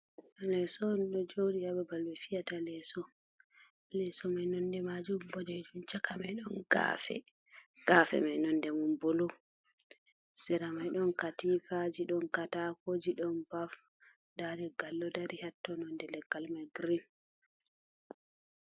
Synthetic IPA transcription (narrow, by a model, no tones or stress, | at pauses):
lɛsɔnɗɔd͡ʒowɗijabɛbalwɛfijatalɛsɔ | lɛsɔmajnɔndɛmad͡ʒumbɔdɛd͡ʒunt͡ʃakamajɗɔnɡa̰fɛ̰ | ɡ̥afɛ̰manɔndɛmumbolu | sɛɾamajɗɔnkatifad͡ʒiɗɔnkatakod͡ʒiɗɔnbaf | dadɛɡalːɔdaɾihatːɔnɔndɛlɛɡalmajɡɾin